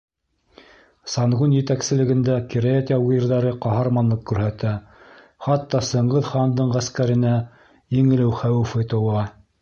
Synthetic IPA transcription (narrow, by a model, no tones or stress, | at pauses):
sɑnʁunjɘ̆t̪æksɘ̆lɘ̆ɡɘ̆nd̪ækiɾæet̪ʲɑujɤ̆ɾðɑɾɤqɑɦɑɾmɑnlˠɤqkʉɾɦæt̪æ | χɑt̪ːɑsɤ̆ɴʁɤðχɑnd̪ɤɴʁæskæɾɘ̆næ | jiŋɘ̆lɘwχæwɘ̆fɘ̆t̪ɤ̆wɑ